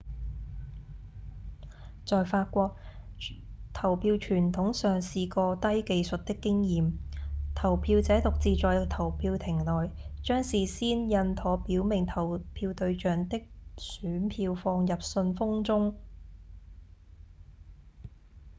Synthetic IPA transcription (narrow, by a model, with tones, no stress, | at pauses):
t͡sɔː˨jfaː˧t̚kʷɔː˧k̚ | t̪ʰɐ˨˩wpʰiː˧wt͡ʃʰyː˨˩nt̪ʰʊ˨˥ŋsœː˨˩ŋsiː˨˧kɔː˧t̪ɐ˥jke˧jsɵ˨t̚t̪ɪ˥kːɪ˥ŋjiː˨mt̪ʰɐ˨˩wpʰiː˧wt͡sɛː˨˥t̪ʊ˨k̚t͡siː˨t͡sɔː˨jt̪ʰɐ˨˩wpʰiː˧wt̪ʰɪ˨˩ŋlɔː˨jt͡ʃœː˥ŋsiː˨siː˥njɐ˧nt̪ʰɔː˨˥piː˨˥wmɪ˨˩ŋt̪ʰɐ˨˩wpʰiː˧wt̪ɵ˧ɥt͡ʃœː˨˥ŋt̪ɪ˥k̚syː˨˥npʰiː˧wfɔː˧ŋjɐ˨p̚sɵ˧nfʊ˥ŋt͡sʊ˥ŋ